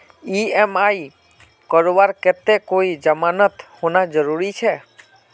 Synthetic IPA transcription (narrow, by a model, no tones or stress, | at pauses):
iemaj | kɔɾʋaɾkɛt̪ekoid͡ʒəmanət̪honad͡ʒəɾuɾit͡ʃʰɛ